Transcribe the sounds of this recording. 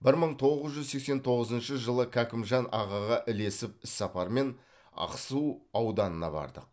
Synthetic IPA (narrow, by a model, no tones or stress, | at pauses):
bɪɾməɴt̪ʰo̞ʁəzʒʏzse̞kse̞nt̪ʰo̞ʁəzənʃəʒəlˠəkʲʰækʲɪmʒɑnʔɑʁɑʁɑʔɪle̞sɪp̚ɪsːɑpɑɾme̞n | ɑ̰qsuɑwd̪ɑnənɑ̰bɑ̰ɾd̪əq̚